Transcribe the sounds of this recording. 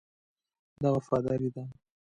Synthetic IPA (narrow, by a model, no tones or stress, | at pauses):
d̪aɣafɑd̪ɑɾid̪a